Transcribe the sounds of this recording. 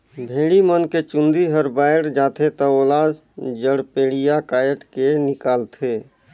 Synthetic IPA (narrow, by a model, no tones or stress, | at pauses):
bʱeːɽimənket͡ʃʊ̃nd̪iɦəɾbaːjɽd͡ʒaːt̪ʰet̪əoːlaːd͡ʒ | d͡ʒəɽpeːɽijakaːjəʈkenɪkaːlt̪ʰeː